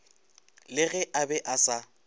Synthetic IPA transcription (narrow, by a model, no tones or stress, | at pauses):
lɪɣɛʔabɛʔasa